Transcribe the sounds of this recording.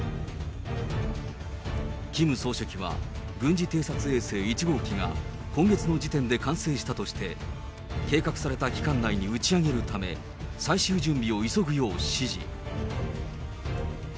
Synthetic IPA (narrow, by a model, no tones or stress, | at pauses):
kʲimɯ̟so̞ːɕokʲiβa̰ɡɯ̟̃ɲ̟d͡ʑit̪e̞ːsat͡sɨe̞ːse̞ːit͡ɕiɡo̞ːkʲiŋa̰ | kõ̞ŋɡe̞t͡sɨno̞d͡ʑit̪ẽ̞nd̪e̞kãɰ̃se̞ːɕi̥t̪at̪o̞ɕi̥t̪e̞ | ke̞ːkakɯ̟saɾe̞t̪akʲi̥kãnːaiɲ̟iɯ̟t͡ɕiaɡe̞ɾɯ̟t̪ame̞ | saiɕɨːʑɨ̃mbʲio̞iso̞ɡɯ̟jo̞ːɕɕiʑḭ